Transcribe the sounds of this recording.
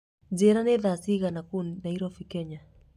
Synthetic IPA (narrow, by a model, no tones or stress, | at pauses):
d͡ʒɛɾanɛðasiɣanakunnaiɾɔfikɛɲa